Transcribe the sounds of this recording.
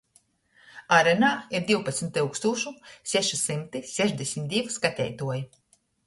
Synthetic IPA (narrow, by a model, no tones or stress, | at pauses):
aɾɛnaːiɾd̪iwpat̪smʲt̪uwkst̪uːɔʃusʲɛʃisimt̪isɛʒd̪ʲesʲmʲt̪d̪ʲivskat̪ʲɛ̰jt̪uɔji